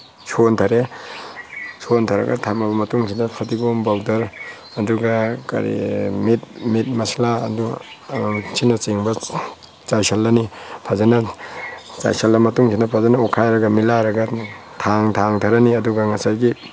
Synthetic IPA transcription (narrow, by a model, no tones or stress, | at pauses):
sʰontʰaɾe | sontʰaɾɐ̰ɡa̰tʰamɐbɐmɐtuŋsʰinɐpʰɐtiɡombawdɐɾ | ɐduɡaka̰ɾḭmit̚mit̚mɐslaɐ̰du | sinɐt͡ʃiŋbɐ | t͡ʃajsɐlːɐnipʰazanɐ | t͡ʃa̰jsɐlːɐmɐtuŋsʰinɐpʰazanɐukʰajɾɐɡɐmilaɾɐɡɐ | tʰaŋtʰaŋtʰaɾɐniɐduɡɐŋɐsajɡi